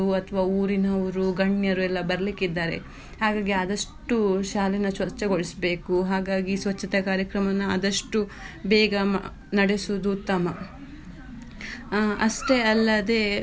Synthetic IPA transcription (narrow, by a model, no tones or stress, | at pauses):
uɐt̪ʰɐʋaːuːɾinɐʋɐɾuɡɐɳjɐɾuɛlːɐbɐɾɐlikːid̪ːaːɾḛ | haːɡaːɡiɐd̪ɐʂʈuʃaːlɛnɐsʋɐt͡ʃːɐɡoɭisbe̞ːkuɦaːɡaːɡisʋɐt͡ʃːɐt̪ɐkaːɾjɐkɾɐmɐnɐɐd̪ɐʂʈubɛːɡɐm̰ | nɐɽesud̪ut̪ːɐmɐ | ɐsʈeɐlːɐd̪e̞ː